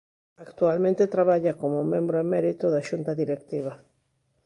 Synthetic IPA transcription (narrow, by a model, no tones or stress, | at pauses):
akt̪ualmẽnt̪et̪ɾaβaʎakomomẽ̞mbɾoemeɾit̪oðaʃunt̪aðiɾekt̪iβ̞a